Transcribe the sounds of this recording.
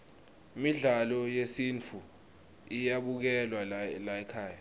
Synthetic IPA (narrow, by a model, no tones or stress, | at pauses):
imiɮalɔjesint͡fʰu | ijaɓuk̬ɛlwalaɛkʰaːja